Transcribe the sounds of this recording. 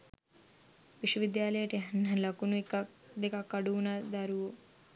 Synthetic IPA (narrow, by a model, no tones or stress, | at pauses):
ʋiʃwɐʋid̪jaːlɐjɐʈiɦɐnːɐlɐkunuikɐ | d̪ikɐkːɐɽuunɐd̪ɐɾuʋu